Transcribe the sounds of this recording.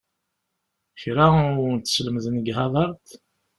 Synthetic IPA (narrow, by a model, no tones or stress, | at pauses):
çɾant̪ːsləmzənɡhɑðˤɑɾˤt̪